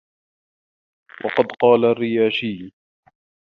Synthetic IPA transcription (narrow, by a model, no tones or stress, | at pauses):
wʔɑ̰qɑd̪qɑːlarːɪjaːʃiː